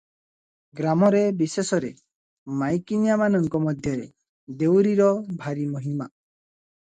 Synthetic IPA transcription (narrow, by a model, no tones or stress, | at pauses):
ɡɾamɔɾebisesɔɾe | majkinijamanɔŋkɔmɔd̪ʱjɔɾe | d̪ewɾiɾɔbʱaɾimɔɦima